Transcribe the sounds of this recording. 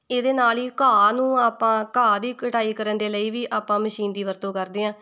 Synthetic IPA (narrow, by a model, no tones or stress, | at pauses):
eːd̪eːnaːliːkaːnũːaːpãːkaːd̪iːkəʈaːiːkəɾənd̪eːləiːʋiːʔaːpːãːməʃiːnd̪iːʋəɾt̪õːkəɾd̪eːãː